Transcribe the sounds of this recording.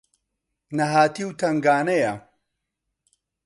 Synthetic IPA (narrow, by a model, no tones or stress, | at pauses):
nɐɦaːt̪iwt̪ʰɐŋɡaːnɐjɐ